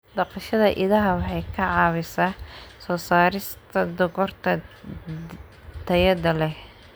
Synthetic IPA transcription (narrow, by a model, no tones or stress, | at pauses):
d̪ɑqɑʃɐðɐʔɪðɐɦɐwɑħɑjkʰɐʕɑːwɪsaːsɔːsaːɾɪst̪ʰɐd̪ʊɣɔrt̪ʰɐ | t̪ʰɐjɐd̪ɐlɛh